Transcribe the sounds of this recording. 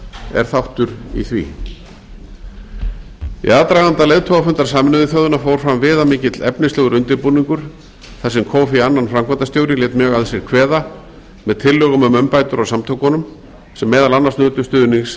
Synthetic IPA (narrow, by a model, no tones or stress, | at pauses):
ɛ̰ɾ̥θawht̪ʏɾḭθvḭː | ḭaːðt̪ɾaːɣant̪alejðt̪ʰowɣafʏnt̪aɾ̥saːmɪnʏðɪθjœːðʏnafoːwɾ̥fɾamvɪːðamɪːcɪt̪lɛpnɪnsɛːɣʏɾʏnt̪ɪɾpuniŋkʏɾ̥ | θasɛmkʰɔːwfianːanfɾamkʰvant̪ast̪jowɾɪlɛːt̪mjœːɣaðsɛɾ̥kʰvɛːða | mɛðt̪ʰɪlːœːɣʏmʏmœmpaːjt̪ʏɾɔɣsamt̪ʰowkɔnːʏm | sɛmːɛːðalanːasnøːt̪ʏst̪ʏːðʏniŋs